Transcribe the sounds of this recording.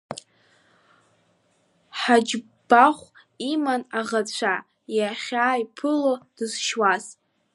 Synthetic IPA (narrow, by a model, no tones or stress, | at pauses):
ħad͡ʒ | b̥aχʷ | imanaʁat͡ɕʷʰa | jaχʲaːipʰɨlod̥ɨzʃwaz